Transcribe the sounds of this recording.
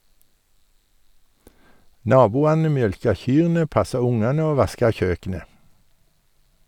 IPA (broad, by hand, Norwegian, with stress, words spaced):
ˈnɑːbuːɑnə ˈmjœlkɑ ˈçyːʁnə ˈpɑsɑ ˈʊŋɑnə ˈoː ˈʋɑskɑ ˈçøːkənə